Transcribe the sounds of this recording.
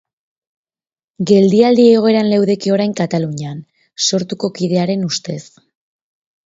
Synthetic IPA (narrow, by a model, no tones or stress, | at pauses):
ɡe̞ld̪iald̪ieɣ̞o̞e̞ɾanle̞wðe̞kio̞ɾajŋkat̪aluɲan | so̞ɾt̪uko̞kið̞e̞aɾe̞nust̪e̞s